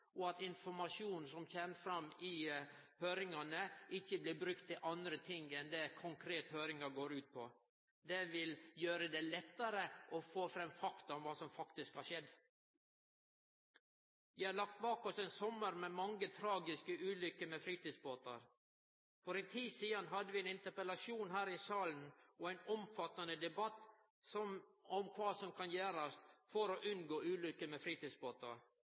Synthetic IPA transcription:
ʔɔɑt̪ɪnfɔɾmɑʂuːnn̩sɔmçeːnəfɾɑmɪ | høːɾɪŋɑnəʔɪçːəblɪbɾʉkt̪ʰːɪʔɑnd̪ɾət̪ʰɪŋɛnd̪ɛkʰʊŋkʰɾeːt̪høːɾɪŋɑɡoːɾʉːt̪̚pʰɔ | d̪ɛʋɪljøːɾəd̪ɛlɛt̪ːɑɾəʔɔfoːfɾɛmːfɑkt̪ɑɔmʋɑːsɔmfɑkt̪ɪskhɑʂɛd̪ | ʋæhɑlɑk̚t̪̚bɑːkɔsɛnsɔmːəɾmɛːmɑŋːət̪ʰɾɑːɡɪskəʔʉːlʏkːəmefɾiːt̪iːsboːt̪ɑ̰ɾ | fɔɾɛt̪ʰiːsiːɑnɦɑd̪ːəʋɪɛnɪnt̪əɾpəlɑsuːnɦæːɾɪsɑːln̩ɔæɪnɔmfɑt̪ːɑnəd̪ɛbɑt̪ː | sɔmɔmkʰʋɑːsɔmkʰɑnjæːɾɑst̪fɔɾoːʔʉnɡoːʔʉːlʏkːəmefɾiːt̪iːsboːt̪ɑɾ

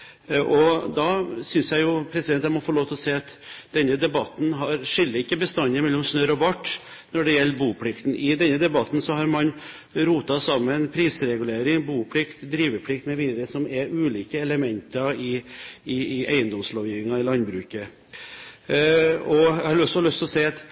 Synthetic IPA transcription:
ʔɔd̪ɑsʏnsjæɪjʊpʰɾɛsɪd̪ɛnæmɔfoːloːʋt̪ʰlɔseːɑt̪d̪̥ɛnːəd̪ɛbɑt̪n̩ɦɑɾʂɪlːəɪkːəbəst̪ɑnəmɛlːɔmsnøːɾɔʋɑʈː | nɔɖɛjɛlːəbuːpʰlɪkt̪n̩ʔɪd̪ɛnːəd̪ɛbɑt̪ːn̩sɔɦɑɾmɑn | ɾuːt̪ɑsɑmːənpʰɾiːsɾɛɡʉleːɾɪŋbuːpʰlɪkt̪d̪ɾiːʋəpʰlɪk̚t̪mɛʋiːd̪əɾəsɔmɛɾʉːliːkəɛləmɛnt̪ɑɪɪʔæ̰ɪənd̪ɔmslɔːʋjɪʋɪŋɑɪlɑnd̪bɾʉːkə | ɔæhɑɾɔsːɔhlʉst̪ʰɪlɔsæɪɑt̪

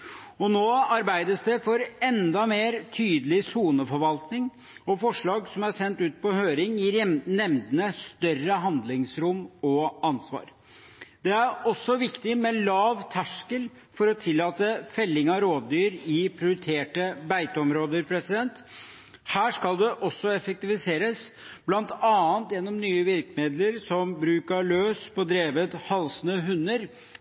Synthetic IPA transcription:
ɔnoːɑɾbæɪd̪əsd̪ɛfɔɾɛnd̪ɑmeːɾt̪ʰyːd̪əlɪsuːnəfɔɾʋɑlt̪nɪŋ | ɔfɔʂɭɑːɡsɔmæsɛnt̪ʉːt̪̚pɔhøːɾɪŋjɪnɛmd̪ənəst̪œrəɦɑnd̪lɪŋsɾʊmɔɑnsʋɑ̰ːɾ | d̪̥ɛæɾɔsːɔʋɪkt̪ɪmɛlɑːʋt̪ʰæʂkəl | fɔɾɔt̪ʰɪlːɑːt̪əfɛlːɪŋɑɾoːd̪d̪yːɾɪpʰɾɪʊɾɪt̪ʰeːʈəbæɪt̪əɔmɾoːd̪əɾpʰɾɛsɪd̪ɛnt̪ | hæːʂkɑld̪ɛʔɔsːɔɛfɛk̚t̪ɪfɪseːɾəsblɑnt̪ɑːənt̪jɛnːɔmnyːəʋɪɾkmeːd̪ləɾsɔmbɾʉːkəɭøːspʰɔd̪ɾeːʋət̪hɑlsənəɦʉnːəɾ

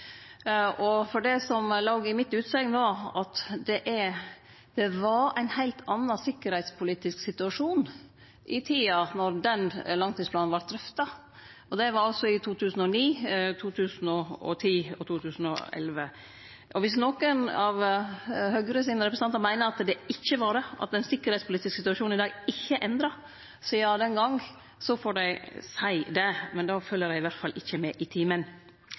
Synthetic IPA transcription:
ɔfɔɖɛsɔmlɑɡɪmɪt̪ːʉːt̪sɛŋnoːɑt̪d̪ɛʔɛɾ | d̪̥ɛʋɑɾæɪnhæɪlt̪ʰɑnːɑsɪkːəɾhæɪt̪spʰʊliːt̪ɪsksɪt̪ʉɑʂuːn | ʔɪt̪ʰiːɑnɔɾd̪ɛnlɑŋt̪ʰiːspʰlɑːnnʋɑʈ̪̚d̪ɾœft̪ɑ | ʔɔd̪ɛʋɑɾɔsɔɪt̪ʰuːt̪ʰʉːsn̩ɔniːt̪ʰuːt̪ʰʉːsn̩ɔɔ̰t̪ʰiːɔt̪ʰuːt̪ʰʉːsn̩ɔ̰ɛ̰lʋə | ʔɔʋɪs̬nɔkənɑʋ | hœɡɾəsɪːnəɾɛpɾəsɑnəɾmæɪnəɾɑt̪d̪ɛɪçːəʋɑɖ̪ɛʔɑ̰t̪ɛɪnsɪkːəɾhɛɪt̪spʰʊliːt̪ɪsksɪt̪ʉɑʃuːnɪd̪ɑːɡɪçːəʔɛnd̪ɾɑ | sɔjɑd̪ɛnɡɑŋ | sɔfɔɖæɪsæɪd̪ɛmɛnd̪ɑːfœlːəɾæɪɪʋæɾt̪fɑlʔɪçːəmɛːʔɪt̪ʰiːmən

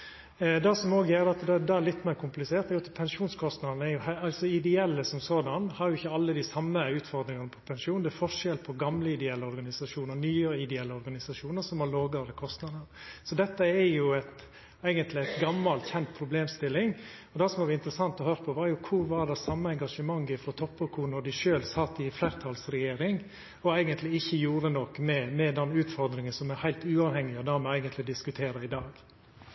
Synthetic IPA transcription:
d̪ɑsɔmoːɡəjæɾd̪ɑt̪d̪ɛd̪ɑæɾlɪt̪ːmeːɾkʰʊmplɪseːɾt̪ɛɡɔt̪ʰːpʰɛnʂuːnskʰɔst̪nɑd̪n̩ɛɾjʊhæɑlsɔɪd̪ɛɛlːəsɔmsoːd̪ɑnhɑɾjʊɪçːəɑlːəd̪ɪsɑmːəʉːt̪fɔɾd̪ɾɪŋɑnəpʰɔpʰɛnʂuːnd̪ɛːfɔʂɛlpʰɔɡɑmləɪd̪ɛɛlːəɔɾɡɑnɪsɑʂuːnəɾnyːəɾəɪd̪ɛɛlːəɔɾɡɑnɪsɑʂuːnəɾsɔmhɑloːɡɑɾəkʰɔst̪nɑd̪əɾ | sɔd̪ɛt̪ːəɛɾjʊæɪt̪ | æɪɡənt̪lɪæɪt̪ɡɑmːɑlt̪çɛnt̪̚pʰɾʊbleːmst̪ɪlːɪŋ | ɔd̪ɛsɔmʋɑɾɪnt̪əɾəsɑnt̪ɔhøːɾəpʰɔʋɑɾjʊkʰʊɾʋɑɾd̪ɛsɑmːəɛŋɡɑʂəmɑŋːɪfɾɔt̪ʰɔpːəkʰʊɾnɔɖ̪ɪʂøːlsɑt̪ːɪfleːɾt̪ʰɑlsɾɛjeːɾɪŋ | ɔæɪɡənt̪lɪɪçːəjuːɾənɔkːmɛmɛd̪ɛnʉːt̪fɔɾd̪ɾɪŋənsɔmɛɾhæɪlt̪ʉːɑʋhɛŋːɪɔd̪æɾmɛæɪɡənt̪lɪd̪ɪskʉt̪ʰeːɾəɾɪd̪ɑːɡ̥

